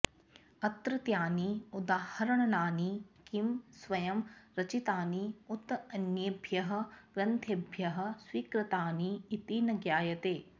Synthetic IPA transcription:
ɐt̪ɾɨt̪jaːniud̪aːhɐɾɐɳɐnaːnikimsʋɐjɐmɾɐt͡ʃit̪aːniut̪ɐnjɐbʱjɐɦɐ̆ɡɾɐnt̪ʰebʱjɐɦɐ̆swiːkɾɪt̪aːniːt̪iːnɐɡjaːjɐt̪eː

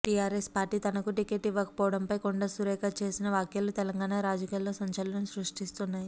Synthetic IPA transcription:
ʈijaːɾespaːɾʈiːt̪ɐnɐkuʈikeʈiʋːɐkɐpɔːʋɐɽɐmpɐjkoɳɖɐsuɾɛːkaːt͡ʃe̞ːsinɐʋaːkjɐlut̪ɛlɐŋɡaːnaːɾaːd͡ʒɐkijalːoːsɐɲt͡ʃɐlɐnɐmusɾuʂʈist̪unːaːji

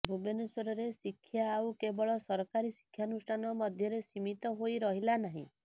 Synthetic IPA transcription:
bʱubeneswɔɾɔɾesikʰːjaːwkebɔɭɔsɔɾɔkaɾisi̥kʰːjanusʈʰanɔmɔd̪ʱjɔɾesimit̪ɔɦojɾɔɦilanaɦḭ̃

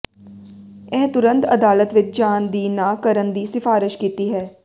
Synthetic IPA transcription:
ɛ̃ːt̪ʊɾə̃nt̪ɐd̪aːlət̪ʋɪt͡ʃd͡ʒaːnd̪iːnaːkəɾə̃nd̪isɪfaːɾɪʃkiːt̪iɦɛː

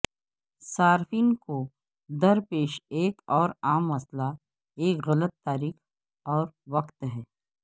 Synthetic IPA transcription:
saːɾfiːnko | d̪ɐɾpeːʃeːkɔːɾaːmːɐsla | eːkɣɐlət̪ːaːɾiːk | ɔːɾʋɐqt̪ɦɛː

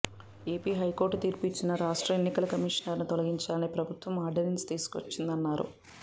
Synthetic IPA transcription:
e̞ːpiːɦɐjkoːɾʈːut̪iːɾpit͡ʃːinɐɾaːʂʈɾɐenːikɐlɐkɐmiʂɐnɐɾnit̪ɔlɐɡiɲt͡ʃaːlɐniːpɾɐbʱut̪ʋɐmaːɾɖɐɾinst̪iːsu̥kʋɐ̰t͡ʃːind̪ɐnːaːɾṵ

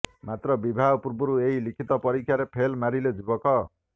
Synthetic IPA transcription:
mat̪rʌbibʱapurbuɾueɦilikʰit̪ʌpʌɾikʰjaɾepʰelmaɾiled͡zubʌkʌ

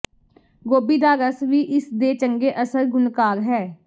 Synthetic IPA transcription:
ɡoːbiːd̪aːɾəsʋiːʔɪsd̪eːt͡ʃəŋɡeːʔəsəɾɡʊnkaːɾɦɛː

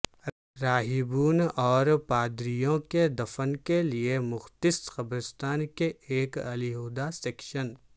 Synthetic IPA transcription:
ɾaːɦɪbuːnɔːɾpaːd̪ɾijõked̪ɐfənkeliemʊxt̪ɪsxɐbɾɪst̪aːnkeeːkɐliɦoːd̪aseːkʃən

